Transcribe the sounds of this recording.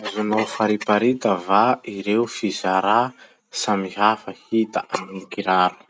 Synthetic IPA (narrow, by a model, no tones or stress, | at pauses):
azunofaɾipaɾit̪əvaiɾewfizaɾa | samiɦafəhit̪aʔamikiɾaɾu̥